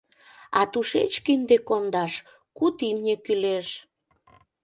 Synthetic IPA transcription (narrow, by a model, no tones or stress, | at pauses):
ɑt̪uʃet͡ɕkind̪ekond̪ɑʃ | kut̪imnʲekyleʃ